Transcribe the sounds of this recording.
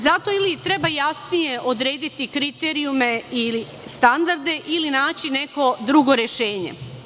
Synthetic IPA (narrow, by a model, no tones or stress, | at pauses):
zat̪o̞ilit̪ɾe̞bajasnije̞ʔo̞d̪ɾe̞ːd̪it̪ikɾit̪e̞ɾijume̞ili | st̪and̪aɾd̪e̞ʔilinaːt͡ɕine̞ko̞d̪ɾuɡo̞ɾe̞ʃe̞ːɲḛ